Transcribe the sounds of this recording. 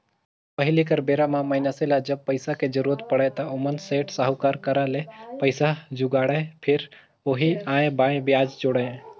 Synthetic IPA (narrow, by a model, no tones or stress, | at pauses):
pəɦɪlikəɾbeːɾamãməɪnaselad͡ʒəb̚pəɪsaked͡ʒəɾuːɾət̪pəɽat̪aʊmənseːʈsaɦʊkaːɾkəɾãlepəɪsad͡ʒʊɡaːɽepʰɪɾ | oːɦiãːẽbaːẽbɪjaːd͡ʒd͡ʒoːɽẽ